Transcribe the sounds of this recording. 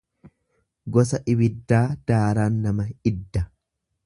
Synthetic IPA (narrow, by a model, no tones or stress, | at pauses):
ɡɔsɐʔɪβɪd̪ːaːd̪̥aːɾaːnːɐmɐɪd̪ːɐ